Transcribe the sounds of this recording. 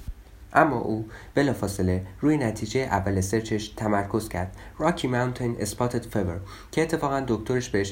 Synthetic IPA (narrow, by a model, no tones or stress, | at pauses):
ʔæmːɒ̰ːʔuːb̥e̞lɒːfɒːse̞le̞ruːjenæt̪ʰiːd͡ʒejeʔævːælese̞ɾt͡ʃʰe̞ʃt̪ʰæmæɾkʰo̞zcʰæɾd̪̥rɒːcʰimawnt̪ʰenespʰɒːt̪ʰed̪̥feveɾ | cʰeːt̪ʰːe̞fɒːɣænd̪o̞ct̪o̞ɾeʃbeheʃ